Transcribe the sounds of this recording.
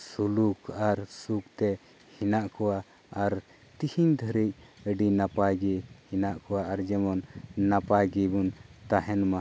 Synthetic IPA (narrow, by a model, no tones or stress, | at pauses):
sulukʰaɾsukt̪ɛ | hinaʔkɔwa | aɾ | t̪ihiɲd̪ʱəɾic̚əɖinapaɡihinaʔkɔwaaɾd͡ʒɛmɔnːapaɡibunt̪aɦɛnma